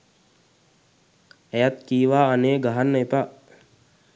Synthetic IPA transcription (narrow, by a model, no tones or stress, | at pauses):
ɛjat̪̚kiːʋaːaneːɡaɦanːəepa